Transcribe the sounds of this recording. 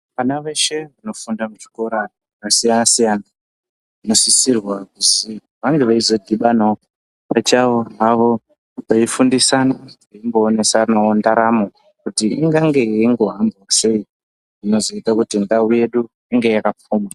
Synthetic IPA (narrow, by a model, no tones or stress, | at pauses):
ʋanaʋeʃe̞ʋano̞fundamuʐi̥ko̞ɾa | kasijanasijana | ino̞sisirwakusi | ʋaŋɡeʋaizo̞dʱiɓana | pat͡ʃaʋoɦaʋo̞ | ʋaifundisana | aimbo̞ːne̞sanawondaɾamo | kutiiŋɡaŋɡe̞iŋɡo̞ɦambwase̞i | ino̞zoitakutindauje̞ɗu | iŋɡe̞jakap͡foːma